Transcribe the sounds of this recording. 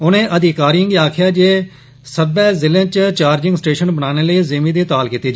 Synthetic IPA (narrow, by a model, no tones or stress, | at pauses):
ʊnẽːʔəd̪ɪkaːɾiəŋɡiːaːkʰjaːd͡ʒeː | səbɛːzɪlẽːt͡ʃt͡ʃaːɾd͡ʒɪ̃ŋɡsʈeːʃənbənaːneːləiːzeːmĩːd̪iːt̪aːlkiːt̪iːd͡ʒː